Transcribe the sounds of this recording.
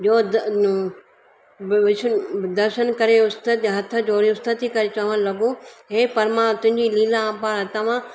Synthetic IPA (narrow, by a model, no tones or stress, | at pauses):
d͡ʑoːd̪ | ʋɪt͡ʃʰd̪ɐɾʃənkɐɾeʊst̪ət̪ɦɐt̪ʰə̆d͡ʑoːɾĩʊst̪ət̪ikɐɾet͡ɕɐʋ̤ə̃nlɐɡõɦeːpɐɾmãt̪ʊ̃ɦɪ̃ɲd͡ʑiliːlããːpaːɾɐt̪ɐʋ̤ã